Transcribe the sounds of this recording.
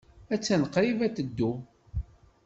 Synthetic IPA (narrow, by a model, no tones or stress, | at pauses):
æt͡sːænəqːɾivæt̪əd̪ːu